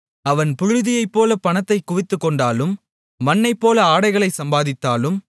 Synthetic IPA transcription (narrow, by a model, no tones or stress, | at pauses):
ɐʋɐnpʊɻʊðɪjɐɪpːoːlɐpɐnɐt̪ːɐɪkːʊʋɪt̪ːɯkːɔɳɖaːlɯmː | ɐnːɐɪpːoːlɐaːɽɐɪɣɐɭɐɪsɐmbaːðɪt̪ːaːlɯm